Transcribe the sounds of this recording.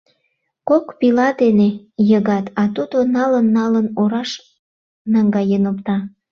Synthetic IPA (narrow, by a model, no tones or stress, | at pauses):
kokpilɑd̪ene | jəɣɑt̪ɑt̪ud̪onɑlənːɑlənoɾɑʃ | nɑŋɡɑjənopt̪ɑ